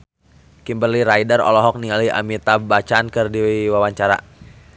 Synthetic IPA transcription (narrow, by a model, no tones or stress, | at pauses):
kimbərliɾaidarɔ̰lɔɦɔk̚nialia̰mit̪abat͡ʃankərdiwiwawaɲt͡ʃaɾa̰